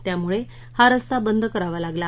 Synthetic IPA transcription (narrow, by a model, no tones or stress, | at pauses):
t̪jamuɭe | haɾəst̪abənd̪ʱəkəɾaʋalaɡla